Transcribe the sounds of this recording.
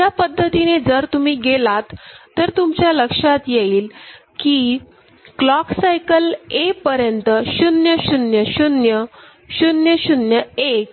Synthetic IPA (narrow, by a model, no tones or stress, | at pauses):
japəd̪ʱːət̪ined͡zəɾt̪um̤iːɡelat̪ːəɾt̪umt͡ɕjaləkʂat̪jeiːl | kiː | klɔksajkəlepəɾjənt̪əɕunjəɕunjəɕunjə | ɕunjəɕunjəek